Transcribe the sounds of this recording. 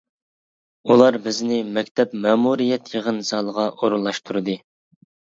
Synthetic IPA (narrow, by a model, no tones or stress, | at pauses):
ulˠɑɾbɪznɪmɛkʲt̪ʰɛpmɑːmuɾijɛt̪jəʁənzɑlˠəʁɑʔoɾulːˠɑʃt̪ʰuɾɨd̪ɨ